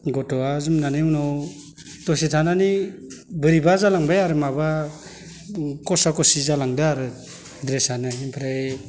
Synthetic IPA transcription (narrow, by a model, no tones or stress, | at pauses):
ɡɔtɔazumnaneunɔw | tɔsitʰananibɯɾibazalaŋbajaɾɯmaba | kɔsakɔsizalaŋdaaɾɯ | dɾesanaimpʰɾaj